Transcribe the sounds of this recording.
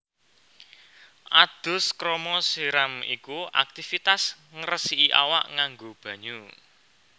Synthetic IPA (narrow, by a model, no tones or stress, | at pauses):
ʔad̪̥ʊ̤skɾomɔsiɾamḭkua̰k̚t̪ifit̪as | ŋəɾəsiʔiʔa̰wa̰ʔŋaŋɡob̥ä̤ɲu